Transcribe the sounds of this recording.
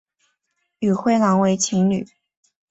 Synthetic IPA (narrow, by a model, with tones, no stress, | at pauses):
y˨˩xwe˥˩ɪlɑ˧˥ŋwe˧˥ɪt͡ɕʰi˧˥ŋny̰˨˩˦